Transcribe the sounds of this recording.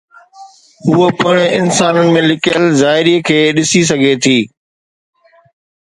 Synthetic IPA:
ɦʊɦopɐɽ̃ɪnsaːnənɪ̆mẽlɪkijəlzaːɪɾikʰeːɗɪsis̬ɐɡʱet̪ʰiː

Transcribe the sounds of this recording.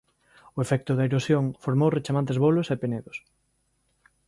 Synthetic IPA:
ʊefɛk̚t̪ʊðɐeɾosjoŋfoɾmowret͡ʃamant̪̬ezβolosepeneðos

